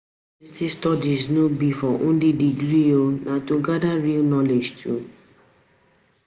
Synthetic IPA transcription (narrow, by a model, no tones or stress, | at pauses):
litistɔdiznobifɔʔõnlidiɡɾionʔãtoɡadaɹilnɔled͡ʒtʰu